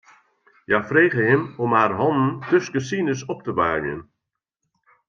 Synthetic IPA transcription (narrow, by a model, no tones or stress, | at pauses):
jafreːɣəɦɪmɔmɦarɦɔnən̩tøskəsinəsɔp̚təʋa̰ːmjə̰n